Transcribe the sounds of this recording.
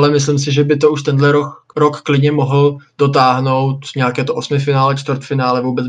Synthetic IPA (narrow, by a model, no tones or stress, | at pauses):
lɛmɪslɪms̬ɪʒɛbɪt̪o̞uʃt̪ɛndlɛɾoɾokːlɪdɲɛmoɦl̩d̥o̞t̪̬aːɦno̞wt̪ɲɛakɛːt̪oʔosmɪfɪnaːlɛt͡ʃt̪vərt̪fɪnaːlɛvuːbɛt͡s